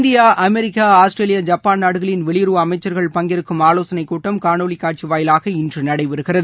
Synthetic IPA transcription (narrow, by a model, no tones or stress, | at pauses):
nd̪ɪjaːʔɐmɛɾɪkːaːaːsʈɾeːlɪjɐd͡ʒɐpːaːnnaːɽɯɣɐɭɪnʋɛɭɪjɾuːɐmɐɪt͡ʃːɐɾɣɐɭpɐŋɡɪɾɯkːɯmaːloːsɐnɐɪkːuːʈːɐmkaːɳoːɭikːaːʈ̚t͡ʃiʋaːjɪlaːɣɐɪndrɯnɐɽɐɪʋɛɾɯɣɪrɐðɯ